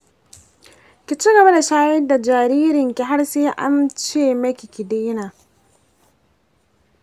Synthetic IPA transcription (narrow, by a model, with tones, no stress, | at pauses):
kʲi˨t͡ʃi˦ɡɐ˨ba˦da˨ʃaː˦jɛ˦da˨d͡ʒaː˨ɾiː˦ɾɪ˨ŋkʲi˨ɦa˦rseː˦ʔa̰˦mt͡ʃeː˦˨mɐ˦kʲi˨kʲi˨deː˦naː˨